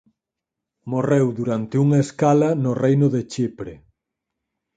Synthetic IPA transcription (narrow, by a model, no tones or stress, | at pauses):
morewd̪uɾant̪ɪuŋɐeskalɐnʊrejnʊðet͡ʃipɾe